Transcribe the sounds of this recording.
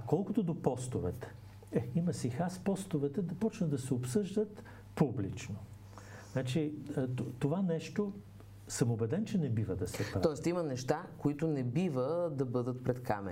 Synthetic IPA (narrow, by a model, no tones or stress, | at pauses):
kɔlˠkot̪od̪opɔst̪ovɛt̪ɛ̥ | ɛimɐsixaspɔst̪ovɛt̪ɛd̪ɐpɔt͡ʃnɐd̪ɐsɛopsɤʒd̪ət̪ | publit͡ʃno | znat͡ʃitot̪ovanɛʃt̪o | səmobɛd̪ɛnt͡ʃɛnɛbivəd̪ɐsɛpɾaɔɛst̪imɐnɛʃt̪akoit̪ʊnɛbivəd̪ɐbɤd̪ət̪̚pɾɛt̪ka̰mɛ̰